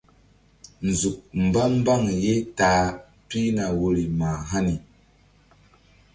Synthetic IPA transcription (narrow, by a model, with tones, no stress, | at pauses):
n̩˨zu˨k̚m̩˨ba˦m˦ba˦ŋje˦ta˨˦ | pi˦na˨wo˨˦ɾi˨ma˨ɦa˦ni˨